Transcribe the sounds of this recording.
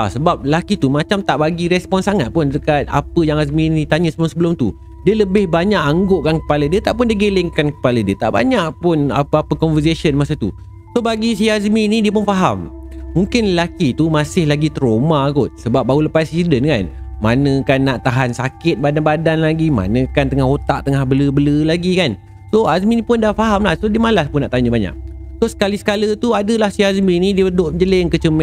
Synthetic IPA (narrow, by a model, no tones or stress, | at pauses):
asəbap̚lakit̪umat͡ʃamt̪aʔbaɡiɾɛspɔnsaŋat̪̚pʊndəkat̪̚a̰pəjaŋas̬minĩt̪aɲəsəbəlʊmsəbəlʊmt̪ṵ | diələbɪhbaɲaʔaŋɡʊʔkankə̥palədiət̪aʔpʊndiəɡelɪŋkankə̥palədiət̪a̰ʔba̰ɲaʔpʊna̰pəapəkɔnvəsesənmasət̪u | sobaɡis̬iasminidiəp̬ʊnfaɦam | mũŋkɪnəlakit̪umãsɪhlaɡit̪ɾomakʊt̪̚səbap̚bauləpasisidənkanmanə̃kanːaʔt̪aɦansakɪt̪̚badanbadanlaɡima̰nə̃kant̪əŋahot̪a̰ʔt̪əŋahbələbələlaɡikan | soazminĩpʊndafaɦamlahsodiəmalaspʊnːaʔt̪aɲəbaɲa̰ʔ̚sosə̥kalisə̥kalət̪uadəlahsiazminidiəədoʔ̚d͡ʒələŋkət͡ʃəm